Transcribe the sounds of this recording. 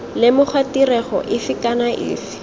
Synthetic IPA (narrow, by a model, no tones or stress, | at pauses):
lɪmʊχʰwatirɛχɔ̰ʔɪfɪkanaʔɪ̰ːfɪ̥